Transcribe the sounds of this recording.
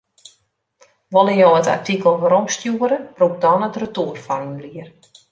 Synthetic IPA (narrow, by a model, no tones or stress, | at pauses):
ʋɔləjowəta̰rtʰikəl̩ˠʋəɾɔmstjuəɾəbruk̚dɔnətrətuərfɔrynliər